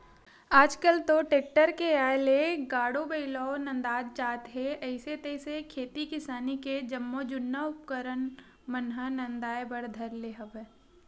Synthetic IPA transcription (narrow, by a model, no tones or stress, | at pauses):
aːd͡ʒkəlt̪oʈeːk̚ʈəɾkeaːleɡaːɽobəɪlɔːnɐ̃nd̪aːd͡ʒt͡ʃaːt̪ɦeɐɪset̪əɪsekʰeːt̪ikɪsaːniked͡ʒɐmːod͡ʒʊnːaʊpkəɾən | mənɦənɐ̃nd̪aːebəɽd̪ʱəɾleːɦəʋɛː